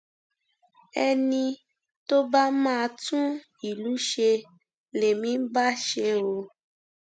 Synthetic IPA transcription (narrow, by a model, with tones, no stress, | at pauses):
ɛ˧nĩ˧ | to˦ba˦mãː˦˨˧tũ˦ | i˨lu˨˦ʃe˧ | le˨mĩ˨˦ba˦ʃe˧˦o˧